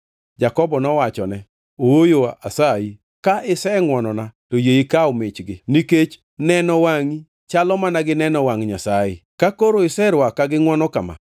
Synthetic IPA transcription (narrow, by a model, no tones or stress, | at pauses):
d͡ʒakɔbɔnɔwat͡ʃɔnɛ | oojoa̰sai | kaʔɪsɛŋwɔnɔnatojeikaomɪt͡ʃɡɪniket͡ʃ | nɛnɔwaŋi | t͡ʃalɔmanaɡɪnɛnɔwaŋɲasajɪ̰kakoɾoɪsɛɾwakːaɡɪŋwɔnɔkama̰